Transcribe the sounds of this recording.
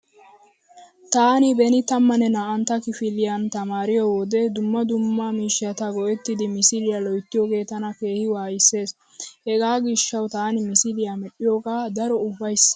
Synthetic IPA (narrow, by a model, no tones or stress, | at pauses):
t̪aːnɪbɛnɪt̪ɐmːɐnɛnaːʔɐnt̪ːɐkɪfɪlɪjant̪ɐmaːɾɪjɔwɔd̪ɛd̪ʊmːɐd̪ʊmːamiːʃːɪjɐt̪ɐɡɔʔɛt̪ːɪd̪ɪmɪsɪlɪjaːlɔjt̪ːɪjɔɡe̞ːt̪ɐnɐke̞ːhɪwaːjɪsːe̞ːs | hɛɡaːɡɪʃːɐwt̪aːnɪmɪsɪlɪjamɛɗɪjoɡaːd̪ɐɾɔʊbːɐjs